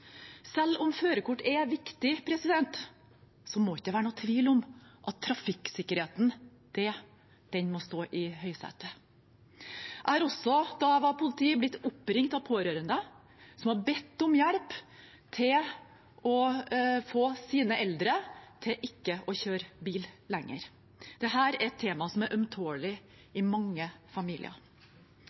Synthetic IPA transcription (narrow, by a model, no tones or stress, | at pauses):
sɛlːɔmføːɾəkʊʈːɛʋɪkt̪ɪpʰɾɛsɪd̪ɛnt̪ | sɔmoɪçd̪ɛʋæːɾɳnuːt̪ʰʋiːlʊmʔɑt̪ʰːɾɑfɪksɪkːəɾheːt̪n | d̪̥ɛ | d̪̥ɛnmɔst̪oːʔɪhœʏsɛ̰t̪ə | ʔæɪhɑɾɔsɔd̪ɑʋɑpʰʊlɪt̪ʰiːəblɪt̪ːʊpːɾɪŋt̪ɑʋpʰoːɾøːɾənd̪ə | sɔmhɑbɛt̪ːɔmjæɽp | t̪ʰɪl | ɔfoːsiːnəʔɛld̪ɾət̪ʰɪʔɪkːəʔɔçøːɾbiːllɛŋːə̰ɾ | d̪̥ɛɦæːɾæɾɛt̪ʰːeːmɑsɔmæɾʔœmt̪ʰoːɭɪ | ɪmɑŋːəfɑmiːlɪ̰ə̰